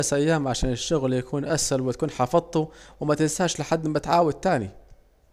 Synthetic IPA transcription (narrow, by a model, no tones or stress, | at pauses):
sʔajːaːmʕaʃaːnɪʃːʊɣljakʰuːnʔashalwɪt̪ḁkuːnħɑfɑðˤt̪ːuwɪmat̪ɪnsaːʃlɪħad̪ːmːat̪ʕaːwad̪̚t̪aːnḭ